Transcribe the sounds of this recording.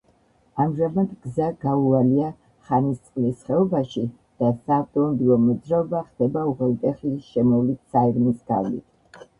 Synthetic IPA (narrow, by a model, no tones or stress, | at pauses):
amʒamad̪ɡzaɡaualia | χanist̪sʼqʼlisχɛɔbaʃi | d̪̥asaːvt̪ʼɔnɔbilˠɔmɔd̪zɾaɔbaχd̪̥ɛbauʁɛlˠt̪ʼɛχliʃɛmɔvlit̪saiɾmisɡ̥a̰vlḭt̪ʰ